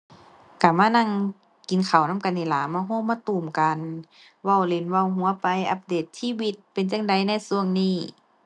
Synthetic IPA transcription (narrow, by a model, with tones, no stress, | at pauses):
ka˧˩maː˧˥˨na˧˨ŋ | ki˨nkʰa˨˩wna˧˥˨ka˧ni˧˩laː˨˦maː˧˩ɦoː˧˥˨maː˧˥˨t̪uː˨˩mka˨n | wa˧˨wle˧nwa˧˨wɦu˧˦ɐpa˧jʔa˧˥p̚deː˨˩t̪̚siː˧˥˨wi˧t̪̚pe˨nt͡ɕa˧˨ŋda˨˧jna˧˩jsu˧əŋniː˧˥˩